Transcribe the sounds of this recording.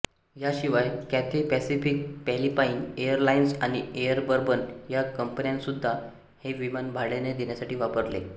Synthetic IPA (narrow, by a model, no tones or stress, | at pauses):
jaɕiʋajkæt̪ʰipæsifik̚pɛlipainejəɾlainsaɽ̃iejəɾbəɾbənjakəmpənjãnsud̪ʱːa | heʋimanbʱaɽɭened̪enjasaʈiːʋapəɾle